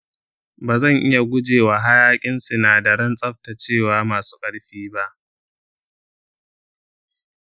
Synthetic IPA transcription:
baː˨zɐ˦˨ŋʔɪ˦ja˨ɡʷʊ˦d͡ʒeː˨waː˨ɦa˦jaː˦kʲʼɪ˦nsu˨naː˨dɐ˨ɾɐ˦nsʼɐ˦ɸ̚ta˨t͡ʃeː˦˨waː˨˦maː˨su̥ː˦kʼɐ˦ɽɸiː˦ba˦ʔ

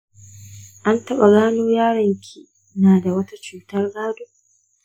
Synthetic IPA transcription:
ʔa˦ntɐ˦ɓa˨ɡaː˦noː˦jaː˦ɽɪ˨ŋkʲʰi˦ | naː˨da˨wɐ˦ta˦t͡ʃuː˨tɐ˦rɡaː˦doː˦

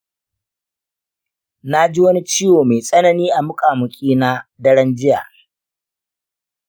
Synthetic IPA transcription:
na˦d͡ʒi˦wɐ˦ni˦t͡ʃiː˦woː˨me˨sʼɐ˦nɐ˨niː˦ʔa˨mʊ˦kʼaː˨mʊ˨kʲʼiː˦na˦dɐ˦ɽɐ˦nd͡ʒɪ˦ja̰ː˨

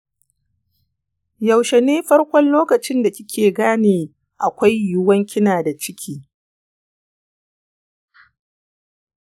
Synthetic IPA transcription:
jɐ˨wʃe˨neː˦ɸɐ˦rkʷɔ˦nloː˦kɐ˨t͡ʃɪ˦nda˨kʲɪ˦kʲʰeː˨ɡaː˦neː˨ | ʔa˨kʷa˦jjʊ˦wɐ˦ŋkʲɪ˦naː˨da˨t͡ʃɪ˦kʲʰiː˦

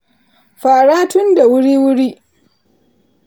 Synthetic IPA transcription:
ɸaː˨ɽaː˦tʊ˦nda˨wʊ˦ɽiː˦wʊ˦ɽiː˦ʔ

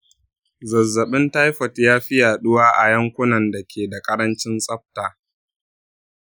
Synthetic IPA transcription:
zɐ˨zːɐ˨ɓɪ˦nta˦jɸɐ˨tjaː˦ɸɪ˦jaː˨ɗʊ˦waː˦ʔa˨jɐ˦ŋkʷʊ˦nɐ˨nda˨kʲʰeː˨da˨kʼɐ˦ɾɐ˦nt͡ʃɪ˦nsʼɐ˦ɸ̚taː˨

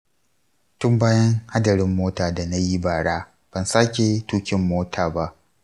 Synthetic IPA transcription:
tʊ˦mbaː˦jɐ˦ŋha˦dɐ˨ɾɪ˦mːoː˦taː˨da˨na˦ji˦baː˨ɽaː˦ | b̥ɐ˨nsaː˦kʲe˨tuː˦kʲɪ˦mːoː˦tʰaː˨ba˦ʔ

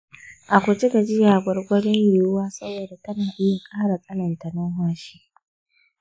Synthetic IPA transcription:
ʔa˨kʷʊ˨t͡ʃɪ˦ɡa˨d͡ʒɪ˦jaː˨ɡʷɔ˦rɡʷɐ˦lɪ˦ŋjɪ˨jʊ˦waː˦sɐ˦boː˨da˨tɐ˦naː˨ʔɪ˦ja˨kʼaː˦ɽa˨kʼɐ˦lɐ˨nta˨nɐ˦ɦwaː˦ʃi̥ː˦

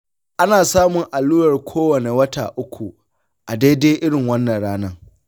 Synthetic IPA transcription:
ʔa˦naː˨saː˦mʊ˨ŋʔa˨lːuː˦ɽɐ˨rkʷʰoː˦wɐ˨ne˨wɐ˦taː˨ʔʊ˦kʷu˨ | ʔa˨daː˦jdeː˦ʔɪ˦ɽɪ˨ŋwɐ˦nːɐ˨nɽaː˦nɐ˦

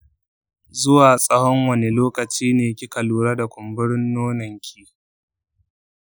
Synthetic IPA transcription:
zʊ˦waː˨sʼɐ˦hɔ˦ŋwɐ˦ne˦loː˦kɐ˨t͡ʃiː˦neː˨kʲi˦kɐ˨luː˨ɾa˦da˨kʷʊ˨mbʊ˦ɽɪ˦nːoː˦nɐ˨ŋkʲʰiː˦

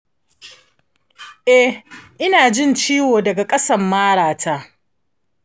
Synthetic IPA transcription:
ʔɛ˦ʔɪ˦naː˨d͡ʒɪ˦˨nt͡ʃiː˦woː˨dɐ˨ɡa˨kʼɐ˦sɐ˦mːaː˦ɽaː˨tʰa˦ʔ

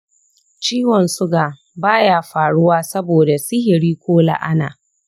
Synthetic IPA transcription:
t͡ʃiː˦wɔ˨nsʊ˦ɡaː˨ | baː˦jaː˦˨ɸaː˨ɽʊ˦waː˦sɐ˦boː˨da˨sɪ˦ɦɪ˨ɽiː˦kʷoː˦la̰˨ʔa˦na̰ː˨

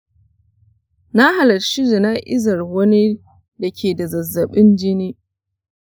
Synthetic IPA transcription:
na˦ɦa˨lɐ˨rʃɪ˦zɪ˨na˦ʔɪ̰˦zɐ˨rwɐ˦ni˦ | da˨kʲʰeː˨da˨zɐ˨zːɐ˨ɓɪ˦nd͡ʒɪ˦niː˦

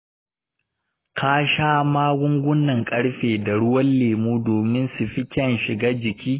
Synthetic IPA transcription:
kʰa˦ʃaː˦maː˦ɡʷʊ˦ŋɡʷʊ˦nːɐ˨ŋkʼɐ˦ɽɸeː˨da˨ɽʊ˦wɐ˦nleː˨muː˦doː˨mɪ˦nsu˨ɸɪ˦kʲɐ˦˨nʃɪ˨ɡaː˦d͡ʒɪ˨kʲiː˦

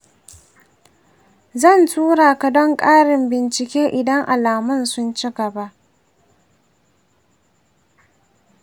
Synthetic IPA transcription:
zɐ˦˨ntʰuː˦ɽaː˨ka˨dɔ˦ŋkʼaː˦ɽɪ˨mbɪ˨nt͡ʃɪ˨kʲeː˦ʔɪ˨dɐ˦ŋʔa̰˨laː˨mʊ˦nsʊ˦nt͡ʃɪ˦ɡɐ˨ba˦ʔ

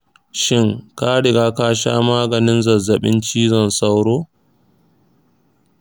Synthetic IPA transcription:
ʃɪ˦˨ŋka˦ɽɪ˨ɡaː˦kaː˦ʃa̰ː˦maː˦ɡɐ˨nɪ˦nzɐ˨zːɐ˨ɓɪ˦nt͡ʃiː˦zɔ˦˨nsa˦wɽoː˦

